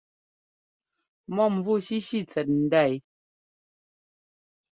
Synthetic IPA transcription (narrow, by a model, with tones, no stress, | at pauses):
mɔ˦˨m˨vu˦˨ʃi˦ʃi˦˨t͡sɛ˨t̚n̩˨da˦˨j